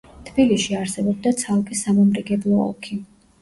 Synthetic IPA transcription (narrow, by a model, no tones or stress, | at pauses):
t̪ʰbiliʃiaɾsɛbɔb̚d̪at̪sʰalˠkʼisːamɔmɾiɡɛblˠɔɔ̰lˠkʰi